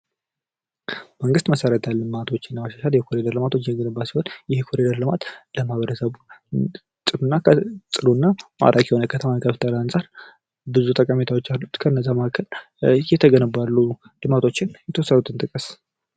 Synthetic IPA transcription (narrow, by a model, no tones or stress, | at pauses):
məŋɡɨst̪məsəɾət̪ʰalːɨmat̪ʰo̞t͡ʃːɪnːəmaʃaʃaljɛkʰoɾed̪əɾlɨmat̪ʰot͡ʃːɪɛɡənɨbasihonjɪhkʰoɾed̪əɾlɨmat̪ləmahaβəɾəsəβu | t̪ʼɨlunːakʰət̪ʼɨlunːama̰ɾʔakjɛho̞nəkʰət̪ʰəmakʰəft̪ʰəlansʼaɾ | bɨzut̪ʼəkʼamet̪ʰawo̞t͡ʃːalːut̪kʰənːəzːamakʰəl | jɛt̪ʰəɡənəbalːu | d̪̥ɨmat̪ʰo̞t͡ʃːɪnjɛt̪ʰəwɔsːədut̪ʰɨnt̪ʼɨkʼəs